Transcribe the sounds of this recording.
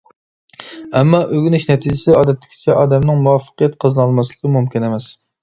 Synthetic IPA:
ɛmːɑʔøɡʲynyʃnɛt̪ʰid͡ʒɪsɪɑːd̪ɛt̪ʰlːɪ̥kʲʰɪ̥t͡ʃʰɛʔɑːd̪ɛmnɪŋmuɑfːə̥qijɛt̪̚qʰəzɨnɑlˠmɑslˠəqʰəmumkʲinemɛs

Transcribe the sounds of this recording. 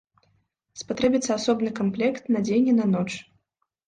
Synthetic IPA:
spat̪ɾɛbʲit̪sɐasɔbnɨkamplʲɛkt̪nɐd͡zʲenʲinɐnɔt͡ʂ

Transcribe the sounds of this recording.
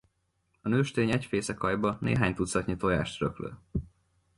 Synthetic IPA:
ɒnøːʃt̪eːɲɛcfeːsɛkɒjbɒnḛːɦaːɲt̪ut̪sɒt̪ɲit̪oːja̰ːʃt̪rø̰klø̰ː

